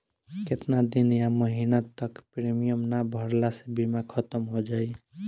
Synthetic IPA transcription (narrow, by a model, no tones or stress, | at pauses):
ket̪nad̪injaməɦinat̪əkpɾimijəmnabʱəɾlasebimakʰət̪əmɦod͡ʒaːi